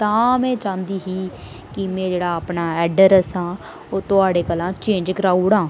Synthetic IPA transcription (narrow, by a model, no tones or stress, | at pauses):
t̪ãːmɛ̃ːt͡ʃãːnd̪iːɦiː | kɪmɛ̃ːd͡ʒeːɽaːəpnaːɛːɖəɾəsãː | oːt̪ʊaːɽeːkəlãːt͡ʃẽːɲd͡ʒkəɾaːuɽãː